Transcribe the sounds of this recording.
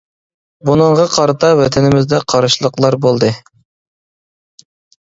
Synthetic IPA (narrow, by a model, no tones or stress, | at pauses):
bunɨɴʁɑqʰɑɾɑt̪ʰɑwɛt̪ʰɛnɪmɪzd̪ɛqʰɑɾʃlˠəqlˠɑɾbolˠd̪ɨ